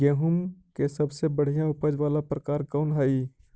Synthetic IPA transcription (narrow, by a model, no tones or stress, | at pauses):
ɡeːɦʊmkesɐbsebəɽ̤ijãʊpəd͡ʒʋaːlapɾəkaːɾkɔːnɦəi